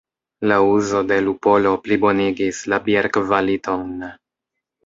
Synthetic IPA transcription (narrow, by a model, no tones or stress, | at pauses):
lauzo̞de̞lupo̞lo̞plibo̞niɡislabieɾkvalito̞n